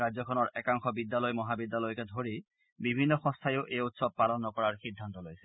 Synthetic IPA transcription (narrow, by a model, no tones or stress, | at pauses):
azɔkʰɔnɔɹʔɛkaŋxɔbid̪ːalɔjmɔɦabid̪ːalɔjkɛdʱoɹi | bibʱinːɔxɔ̃st̪ʰajoʊʔejut̪sɔb̚palɔnːɔkɔɹaɹxid̪ʱːant̪ɔlojsɛ̥